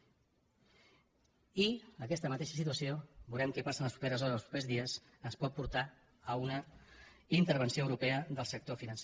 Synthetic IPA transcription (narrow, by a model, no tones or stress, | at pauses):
iəkɛst̪əmət̪eʃəsit̪wəsiobulɛmkɛpasənləspɾupeɾəzɔɾəzðəspɾupezðiəs | ənspɔt̪̚puɾt̪a | əunə | int̪əɾβ̞ənsioəwɾupeəðəlˠsək̚t̪ofinənse